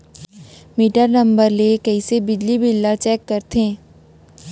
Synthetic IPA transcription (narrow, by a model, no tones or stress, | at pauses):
miʈəɾnɐ̃mbəɾlekɐisebɪd͡ʒlibʱɪlːat͡ʃɛːkːɐɾt̪ẽː